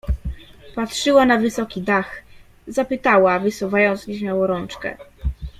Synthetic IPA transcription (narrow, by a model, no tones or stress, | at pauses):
patʂɘwanavɘsɔkʲid̪ax | zapɘt̪awavɘsuvajɔnt̪sɲeɕmʲjawɔɾɔnt͡ʂkɛ̰